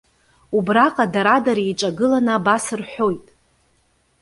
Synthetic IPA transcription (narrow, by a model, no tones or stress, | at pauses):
ubraqʼadaɾadaɾiiʈ͡ʂʼaɡɨlanabasɨrħʷo̞jtʼ